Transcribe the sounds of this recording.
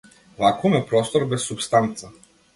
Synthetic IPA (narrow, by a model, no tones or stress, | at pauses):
vakumɛpɾɔst̪ɔɾbɛsːupst̪ant̪sa